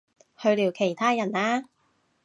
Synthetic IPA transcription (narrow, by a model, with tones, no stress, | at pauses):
hɵ˧ɥliː˨˩wkʰe˨˩jt̪ʰaː˥jɐ˨˩naː˥